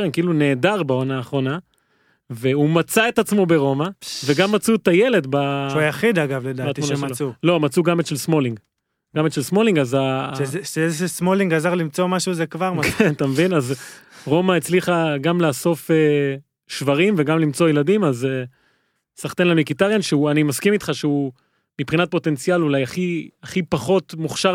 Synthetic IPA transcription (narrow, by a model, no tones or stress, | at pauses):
ʁemkiilune̞ːdaʁbao̞naːχʁo̞na | veumat͡saet̪at͡smo̞be̞ʁo̞maveɡamːat͡sut̪aje̞le̞d̪baʃjaχid̪aɡavled̪aːat̪munaʃaulo̞mat͡suɡametʃelsmo̞liŋɡ | ɡametʃelsmo̞liŋɡazaʃeezʃesmo̞liŋɡazaʁlimt͡so̞maʃuzekvaʁmakent̪amevinazʁo̞maet͡sliχaɡamlaːso̞fe | ʃvaʁimveɡamlimt͡sojeladimaze | saχt̪enlamikit̪aʁjanʃeuanimaskimit̪χaʃeu | mipχinat̪̚po̞t̪e̞nt͡sijalulajaχiaχipaχo̞t̪muχʃa